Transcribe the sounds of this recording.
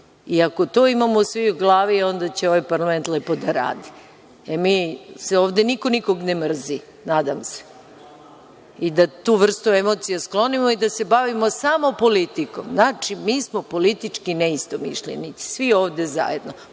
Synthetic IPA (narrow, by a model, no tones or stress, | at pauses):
iako̞t̪oːimamosʋiuɡlˠaːʋio̞nd̪at͡ɕeo̞ʋajpaɾlame̞nt̪lepo̞d̪aɾa̰ːd̪i | emiːseoːʋd̪eniko̞niko̞ɡnemr̩zi | naːd̪amse̥ | id̪at̪uːʋr̩st̪ue̞mo̞t̪sijasklˠo̞nimoid̪ase̞baʋimo̞samo̞po̞lit̪iko̞̰mznaːt͡ʂimiːsmo̞po̞lit̪it͡ʂkineist̪omḭʃʎʲḛnit̪i̥sʋio̞ːʋd̪eza̰jed̪no